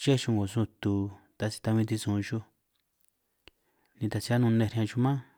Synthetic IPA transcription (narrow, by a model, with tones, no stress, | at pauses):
t͡ʃe˦ʃũ˧ŋɡo˨su˧t̪u˧t̪a˧si̥˧t̪a˧βĩ˧t̪̬i˧sũ˨˧ʃu˧ | nĩ˧t̪a˧t͡ʃi˧˦a˦nũ˧nẽ˧ɾhã˧t͡ʃu˧mã˦